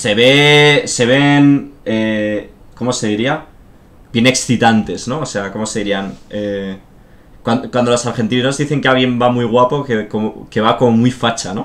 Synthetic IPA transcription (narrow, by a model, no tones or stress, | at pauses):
se̞βe̞se̞β̞e̞ne | ko̞mo̞se̞ðiɾia | bje̞ne̞ksθit̪ant̪e̞sno̞ose̞ako̞mose̞ðiɾiane | kwanokwand̪olo̞saɾxe̞nt̪̬ino̞zðiθe̞ŋkeaβje̞mbamujɣ̞wapo̞kekomoke̞βako̞momujfat͡ʃano̞